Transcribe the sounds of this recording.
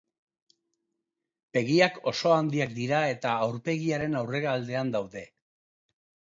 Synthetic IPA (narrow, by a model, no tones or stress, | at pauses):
be̞ɣiako̞so̞and̪iakd̪iɾae̞t̪aːwɾpe̞ɣiaɾe̞nawre̞ɣaːld̪e̞and̪awðe̞